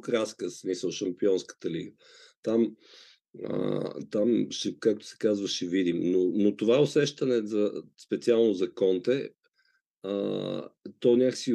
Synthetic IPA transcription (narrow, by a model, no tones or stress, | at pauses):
kɾaskəsmisəlˠʃɐmpiɔnskə̥t̪əlḭɡə | t̪am | ə̰t̪amʃɛkak̚t̪ʊ̥sɛ̥kazvəʃɛvid̪imnonot̪ovaosɛʃt̪ənɛzɐspɛt̪sialˠnozɐkɔnt̪ɛ | ə̰ | t̪ɔnʲaksi